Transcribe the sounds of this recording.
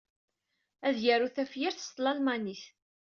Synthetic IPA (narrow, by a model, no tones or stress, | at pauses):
æðjæɾuθæfjiɾθə̥st̪lɑlmaniθ